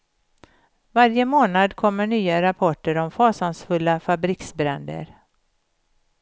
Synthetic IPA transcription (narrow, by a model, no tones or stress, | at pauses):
vaɾjəmoːnad̪kʰɔmːəɳyːaɾapʰɔʈːəɾɔmfɑːsansfɵlːafabɾɪksbɾɛnd̪ə̰ɾ